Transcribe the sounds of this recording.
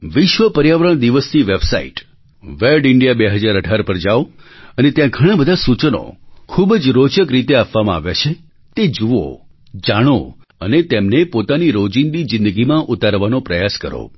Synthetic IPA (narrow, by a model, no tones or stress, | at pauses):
ʋɪʃʋəpəɾjaʋəɾəɳd̪iʋəst̪ʰiʋebsa̰ḭʈ | ʋeɖɪɳɖijabeɦəd͡ʒaɾəɖʱaɾpəɾd͡ʒaʋoənet̪jãɡʱəɽ̃abəd̪ʱasut͡ʃəno̰kʰubd͡ʒɾot͡ʃəkɾit̪eapʋamãa̰ʋja̰t͡ʃʰe | t̪ed͡ʒuʋo̰ | d͡ʒaɽ̃o | ənet̪emnepot̪aniɾod͡ʒind̪id͡ʒɪ̃nd̪əɡimãʔut̪aɾʋanopɾəjaskəɾo̰